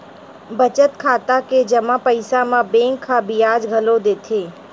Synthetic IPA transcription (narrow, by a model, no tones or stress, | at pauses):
bɐt͡ʃət̪kʰaːt̪aked͡ʒɐmãpəɪsamãbẽːŋkʰːabijaːd͡ʒɡʱɐlod̪eːt̪ʰeː